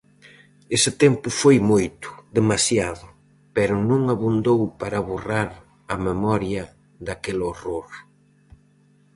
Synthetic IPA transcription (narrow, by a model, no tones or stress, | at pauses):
esɪt̪ɛmpʊfojmojt̪ʊ̥ðemasjaðʊ | pɛɾʊnũŋaβund̪owpaɾaβoraɾ | ɐmemɔɾjɐ | ðakeloroɾ